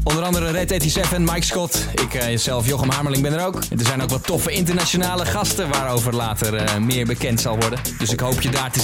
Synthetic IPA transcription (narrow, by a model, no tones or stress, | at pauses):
ɔndəɾɑndəɾərɛtetisɛfɛnmɑjkskɔt | ɪkz̥ɛlˠfjoχəmɑɹməlɪŋbɛnəɾowkndəɹzɛjnowkʋɑtɔfəɪntəɹnat͡ʃonaːləχɑstəʋaːɾowvəɹlaːtərmɪːɹbəkɛntsɑlˠʋɔɹdəndɵsɪkɦowpjədaːɹtə